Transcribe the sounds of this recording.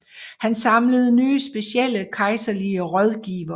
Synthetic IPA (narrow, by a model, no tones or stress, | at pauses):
hænsɑ̈mləð̞ˠnyːəsb̥e̝ɕiel̰əkʰɑ̈ɪsɐliəʁɒð̞ˠɡ̥ḭːʋɐ